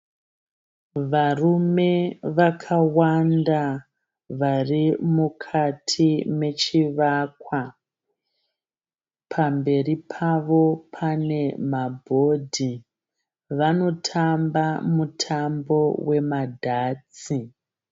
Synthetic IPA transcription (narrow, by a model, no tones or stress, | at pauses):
ʋarume̞ʋakʰawanda | ʋarimukʰatʰime̞t͡ʃiʋakwa | pʰambe̞ripʰaʋo̞pʰane̞mabʱo̞dʱi | ʋano̞tʰambamutʰambo̞we̞madʱaːt͡si